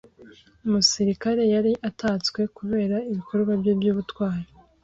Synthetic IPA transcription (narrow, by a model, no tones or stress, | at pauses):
umusiɾikaɾe̞jaɾiʔatat͡swe̞kuβe̞ːɾaiβikʰo̞ɾɡwabjobjuːβutwaːɾe